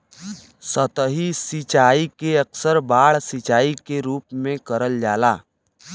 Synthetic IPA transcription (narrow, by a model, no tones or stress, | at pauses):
sət̪əɦisɪt͡ʃaːikeɐksəɾbaːɭsɪt͡ʃaːikeɾuːpmẽkɐɾəld͡ʒaːlaː